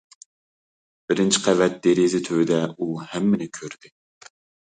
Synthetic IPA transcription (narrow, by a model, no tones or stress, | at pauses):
b̥ɪɾɪnt͡ʃʰi̥qʰɛvɛt̪̚d̪eɾizɪt̪ʰøwɪd̪ɛuhɛmːɪnɪkʲʰøɾd̪̥ɪ